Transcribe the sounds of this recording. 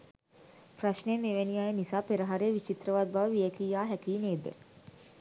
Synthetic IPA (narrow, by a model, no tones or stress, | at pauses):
praʃnemeʋeniajenisaːpeɾəɦaɾeːʋit͡ʃit̪rəʋad̪̚baʋəʋijekiːjaːɦækiːneːd̪ḛ